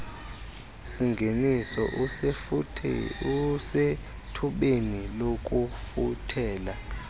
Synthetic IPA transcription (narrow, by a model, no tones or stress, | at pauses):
siŋɡʱenisɔ̰ʔʰ | use | tʰuɓenilokʼufutʰɛːla